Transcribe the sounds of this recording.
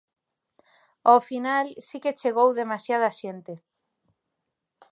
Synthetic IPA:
ofinalsiket͡ʃeɣ̞owðemasjaðasent̪e

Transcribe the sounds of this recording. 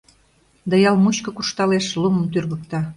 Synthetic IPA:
d̪ɑjɑlmut͡ɕkɤ̆kuʃt̪ɑleʃlumə̆mt̪yrɣə̆k̚t̪ɑ

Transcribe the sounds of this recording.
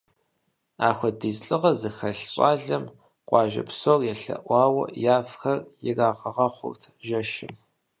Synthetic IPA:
aːxʷɔdizɬʼɨʁɐzɨxɐɬɕʷʼɑːɮɐm | qʷɑːʒɐ̰psoːrjɛɬɐ̰ʔʷɑːwɐ̰jaːfxɐrjɪraːʁɐʁɐχʷʊ̰rtʰʒɐʃɪm

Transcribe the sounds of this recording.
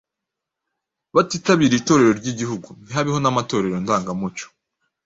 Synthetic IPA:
βatiːtaβiːɾiito̞ːɾe̞ɾo̞ɾɟiɟihuɡun̥iɦaβiho̞namato̞ːɾe̞ɾo̞ndaːŋɡamut͡ʃo̥

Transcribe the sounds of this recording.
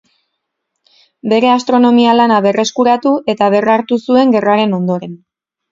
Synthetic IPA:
be̞ɾe̞ast̪ɾo̞no̞mialanaβe̞re̞skuɾat̪uʔe̞t̪aβ̞e̞raɾt̪usue̞ŋɡe̞raɾe̞no̞nd̪o̞ɾe̞n

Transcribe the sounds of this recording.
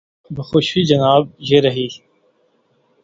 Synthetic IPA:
bəxoːʃid͡ʒɐnaːb̚jeːɾɐɦiː

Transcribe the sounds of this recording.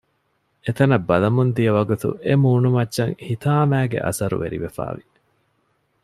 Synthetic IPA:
et̪ɐnɐbːɐlɐmund̪ijɐʋɐɡut̪ṵʔemuːnumɐtːʃɐŋhit̪aːmæːɡḛʔɐ̰sɐɾṵʋḛɾḭʋefa̰ːʋi

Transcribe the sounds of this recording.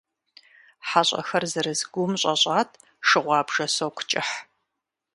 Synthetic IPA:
ħaɕʷʼɐ̰xɐrzɐɾɨzɡʷʊmɕʼɐɕʼɑːtʰ | ʂɨʁʷɑːbʒ̥ɐsowqʷʰʊ̥t͡ʃʼɪħ

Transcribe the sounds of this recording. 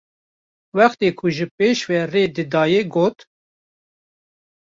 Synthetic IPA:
wɛxt̪eːkʰʊʒɨpeːʃvɛreːd̪ɨd̪ɑːjeɡoːt̪

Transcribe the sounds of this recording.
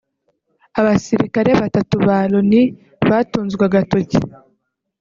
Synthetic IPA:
aβasiɾikaɾe̞βatatuβaɾoni | βatuːnzɡwaɡatoci̥

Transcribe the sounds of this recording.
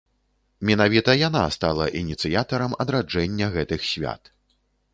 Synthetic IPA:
mʲɛnavʲit̪ɐjan̪a̰st̪alˠɐʔinʲit̪sɨjat̪ɐɾɐmɐd̪ɾad͡ʐɛnʲːɐɣɛt̪ɨxsʲvʲa̰t̪

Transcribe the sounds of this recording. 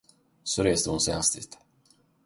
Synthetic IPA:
sɔɾeːst̪əhʊnsɛjhast̪ɪ̰t̪

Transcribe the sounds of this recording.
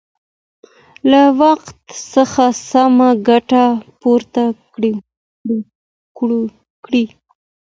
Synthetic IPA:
lawaqt̪səxasamaɡaʈapoɾt̪a | ɽ | kɽi

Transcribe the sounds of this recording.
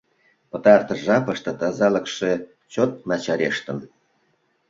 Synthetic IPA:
pə̆t̪ɑrt̪ə̆ʒɑpəʃt̪ɤ̆t̪ɑzɑlə̆kʃe | t͡ɕot̪̚mɑt͡ɕɑɾeʃt̪ə̆n

